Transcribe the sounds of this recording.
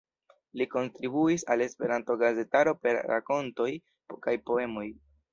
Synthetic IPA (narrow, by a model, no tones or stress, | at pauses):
liko̞ntɾibuisale̞spe̞ɾanto̞ɡaze̞taɾo̞pe̞ɾɾa̰ko̞nto̞j | kajpo̞e̞mo̞j